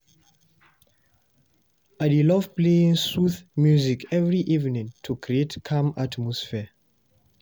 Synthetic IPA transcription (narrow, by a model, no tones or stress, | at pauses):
adilɔvpleĩŋsuθmjuzikɛvɹiʔivnĩŋtʰukʰɹietkʰãmatmɔsfɛ